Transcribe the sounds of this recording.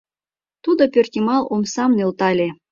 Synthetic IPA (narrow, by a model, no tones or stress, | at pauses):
t̪ud̪ŏpʲørt̪ʲimɑlˠomsɑmnɯlˠt̪ɑlʲe